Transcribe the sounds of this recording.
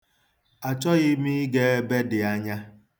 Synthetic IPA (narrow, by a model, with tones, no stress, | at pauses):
a˨t͡ʃɔ˦ɣɪ˦mi˦ɡe˦e˦be˦dɪ˨a˦ɲa˦